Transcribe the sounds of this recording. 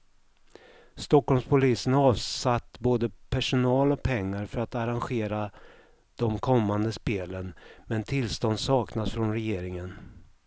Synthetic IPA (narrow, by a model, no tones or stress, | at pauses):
st̪ɔkːɔlmspʰʊliːsənɑːvsat̪ːboːd̪əpʰæʂʊnɑːlɔk̚pʰɛŋːaɾfœɾat̪aɾanɧeːɾa | d̪̥ɔmkʰɔmːand̪əspeːlənmɛnt̪ʰɪlst̪ɔnd̪sɑːknasfɾɔnɾɛjeːɾɪŋən